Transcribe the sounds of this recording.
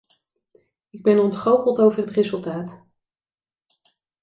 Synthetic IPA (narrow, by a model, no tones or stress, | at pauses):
ɪɡ̚bɛnɔntχowχəlˠtowvərɦətrezɵlˠtaːt